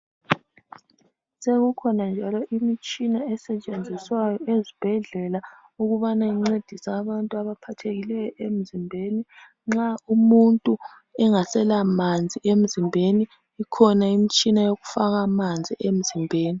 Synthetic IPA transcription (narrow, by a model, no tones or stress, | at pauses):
seɣukʰɔnand͡ʒʱalɔʔimit͡ʃʼinaɛsɛt͡ʃʼend͡zʱiswajɔezib̥ʱɛɮɛla | uɣuβanaiŋ͡ǀed̥ʱisaːβantʼuaβapʰatʰeɣilɛjɔem̩zimbʱeni | ŋ͡ǁaumuntʼu | ɛŋasɛlamand͡zʱiʔem̩zimbʱeniː | kʰɔnaimit͡ʃʼinajoɣufaɣamand͡zʱiʔem̩zimbʱeːni